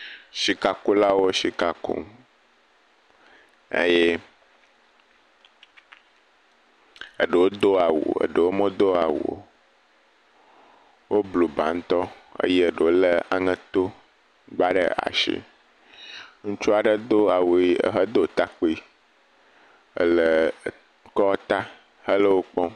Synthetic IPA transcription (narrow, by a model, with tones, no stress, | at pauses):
ʃi˨ka˨ku˦la˦wo˦ʃi˨ka˨kṵ˦˨ŋ | ḛ˦je˦ | ə˨ɖə˨wo˦d̪o˦a˨wo̰˨ə̰˨ɖə˨wo˦mɔ̃˦d̪o˦a˨wo̰˨ | wo˦blo˨ba̰˨˦ŋ̩˦t̪ɔ˦ə̰˦je˦ə˨ɖə˨wo˦lə˦a̰˨ŋə̃˦t̪o˦ | ɡ͡ba˦ɖə̰˦a̰˨ʃḭ˨ | ŋũ˦t͡ʃu˦a˨ɖə˦d̪o˦a˨wo˨i˦ə̰˨ɦə˦d̪o˦˨t̪a˦k͡po˦i˦ | ə̰˦lə˨ | kɔ˦t̪a˦ | hə˦lə˦wo˦k͡pɔ̃˦